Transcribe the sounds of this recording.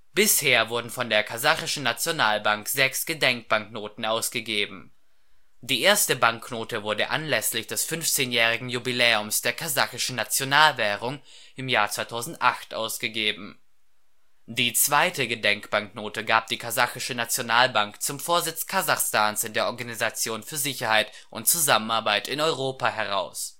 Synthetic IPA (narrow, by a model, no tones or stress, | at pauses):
b̥ɪsheːɐvʊɐdn̩fɔndeːɐkʰazaχɪʃn̩nat͡sjonaːlbaŋkz̥ɛksɡ̥ədɛŋk̚b̥aŋknoːtn̩ʔaʊsɡ̥əɡeːbm̩ | diːʔeːɐstəbaŋknoːtəvʊɐdəʔa̰nlɛslɪçd̥ɛsfʏnft͡seːnjɛːʁ̞ɪɡŋ̩jubilɛːʊmsd̥eːɐkʰazaχɪʃn̩nat͡sjonaːlvɛːʁ̞ʊŋ | ʔɪmjaːɐt͡sv̥aɪtʰaʊzn̩tʔa̰χtʔa̰ʊsɡ̥əɡeːbm̩ | d̥iːt͡sv̥aɪtəɡədɛŋkb̥aŋk̚noːtəɡaːp̚d̥iːkʰazaxɪʃənat͡sjonaːlbaŋkt͡sʊmfoːɐzɪt͡skʰazaχstaːnsɪndeːɐʔɔɐɡanizat͡sjoːnfyːɐzɪçɐhaɪt | ʔʊntt͡suzamənaɐbaɪtɪnɔʏʁ̞oːpaɦɛʁa̰ʊs